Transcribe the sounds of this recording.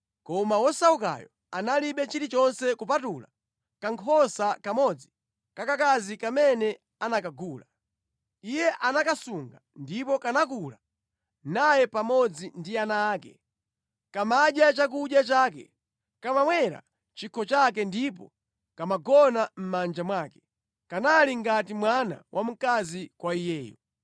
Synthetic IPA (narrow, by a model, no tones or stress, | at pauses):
kɔmawɔsauka̰jɔ | analiɓɛt͡ʃiɾit͡ʃɔnsɛkupatula̰ | kaŋkʰɔsakamɔd͡zi | kakakazikamɛnɛ | anakaɡuːla | ijɛʔanakasuŋɡandipɔkanakula | najɛpamɔd͡zindianaːkɛ̰ | kamaɗjat͡ʃak̬uɗjat͡ʃaːkɛ̰ | kamamwɛɾa̰ | t͡ʃikʰɔt͡ʃak̬ɛndip̬ɔ̰ | kamaɡɔnam̩mand͡ʒamwaːkɛ̥ | kanaliŋɡatimwana̰wʔam̩kazikwaijɛːjɔ̰